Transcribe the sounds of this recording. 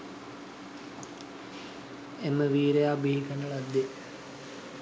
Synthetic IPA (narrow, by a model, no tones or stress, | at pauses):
eməʋiːɾejaːbiɦikəɳəɭad̪ːe